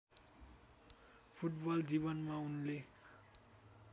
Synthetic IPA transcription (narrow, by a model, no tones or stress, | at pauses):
pʰuʈbʌld͡zibʌnmaunle